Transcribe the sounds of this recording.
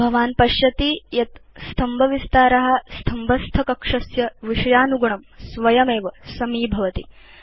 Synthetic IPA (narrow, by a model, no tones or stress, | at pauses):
bʱɐʋaːnpɐʃjɐt̪ijɐt̪st̪ʰɐmbʱɐʋist̪aːɾɐɦɐ̆st̪ʰɐmbʱɐst̪ʰɐkɐkʂɐsjɐʋiʂɐjaːnuɡɐɳɐmsʋɐjɐmeːʋɐsɐmiːbʱɐʋɐt̪ḭ